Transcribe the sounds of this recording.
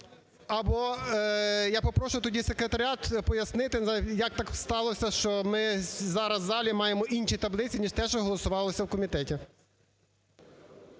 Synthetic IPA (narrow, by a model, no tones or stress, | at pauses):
ɐbɔ | jɑpɔpɾɔʃʊjʊt̪ɔdʲise̞kɾet̪ɐɾʲiɑt̪pɔjɐsnɪt̪ɪjɐk̚t̪ɑkst̪ɑlˠɔsʲɐʃt͡ʃɔmɪzɑɾɐzːɑlʲimɑjemɔʔinʲʃit̪ɐblˠɪt͡sʲinʲiʒt̪ɛʃt͡ʃɔɦɔlˠɔsʊʋɑlˠɔsʲɐwkɔmʲit̪ɛtʲi